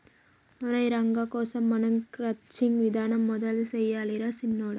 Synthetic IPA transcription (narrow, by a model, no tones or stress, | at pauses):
mʊɾɐɪɾɐŋɡɐːkoːsɐmːɐnɐŋkɾɐt͡ʃːɪŋʋɪd̪aːnɐmːʊðɐlsɛjːaːlɪɾɐsɪnːoːɽɐ